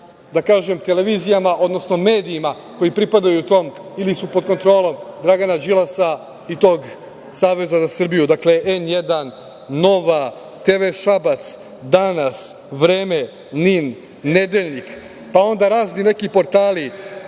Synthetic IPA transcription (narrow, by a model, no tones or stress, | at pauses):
d̪akaːʒe̞mt̪e̞le̞ʋiːzijamaʔo̞d̪no̞sno̞me̞ːd̪iima | ko̞jipɾipad̪ajut̪o̞ːmilisupo̞d̪̚ko̞nt̪ɾo̞ːlo̞md̪ɾaɡanad͡ʒilˠasa | it̪o̞ːɡ | saːʋe̞zazasr̩bijud̪akle̞ʔenje̞d̪anː | o̞ʋa | t̪eʋeʃabat̪s | d̪anas | ʋɾe̞ːme̞ | ninː | e̞d̪e̞ʎnik | pao̞nd̪aɾaːznine̞kipo̞ɾt̪aːli